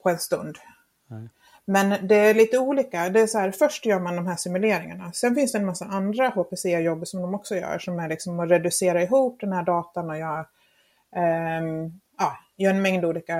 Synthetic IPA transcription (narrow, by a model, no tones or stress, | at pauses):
pʰɔɛnst̪ɵ̰nd̪ | mɛnd̪ɛæɭiːt̪əuːliːkad̪ɛæsɔhæːɾfœʂʈjœːɾmand̪ɔmɦæːʂɪmɵleːɾɪŋa̰ɳasɛnfɪnsd̪ɛɛnmasːaʔand̪ɾahoːpeːseːajɔbːʂɔmd̪ɔmɔksɔjœ̰ːɾʂɔmɛælɪksɔmɔɾɛd̪ɵseːɾaɛɦuːp̚d̪ɛnhæːɖɑːt̪anɔjɑ | ɑːjœːɾɛnmɛŋd̪uːliːka